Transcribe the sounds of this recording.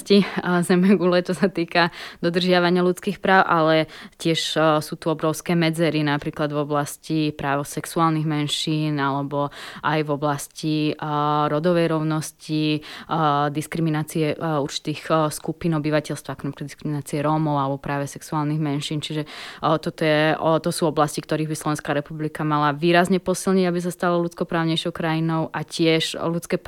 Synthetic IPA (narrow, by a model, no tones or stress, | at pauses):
cizɛmɛɡulɛt͡ʃɔsat̪iːkad̪̥ɔd̪r̩ʒɪaʋaɲɪalut͡skiːxpɾaːʊʔalɛcɪɛʃsuːt̪uɔbɾɔʊskɛːmɛd͡zɛɾinapɾiːklad̪vɔblascipɾaːʋɔsɛksuaːlniɣmɛnʃiːnalɛbɔʔajvɔblasci | ɾɔd̪ɔʋɛjɾɔʊnɔsci | d̪iskɾiminaːt͡siɛuɾt͡ʃi̥t̪iːxskupinɔbiʋacɛlst̪ʋakɔnapikad̪iskɾiminaːt͡siɛɾɔmɔʊalɛbɔpɾaːʋɛsɛksuaːlniɣmɛnʃiːnt͡ʃiʒɛt̪ɔt̪ɔjɛt̪ɔsuːɔblascikt̪ɔɾiːɣbislˠɔʋɛ̃nskaɾɛpublikamalaʋiːɾazɲɛpɔsilɲiɟabis̬ast̪alɔlut͡skɔpɾaːʊɲɛjʃɔʊkɾajinɔʊʔacɪɛʃlut͡skɛp